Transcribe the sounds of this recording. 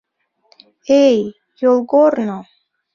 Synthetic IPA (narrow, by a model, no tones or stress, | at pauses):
ej | jolˠɡorno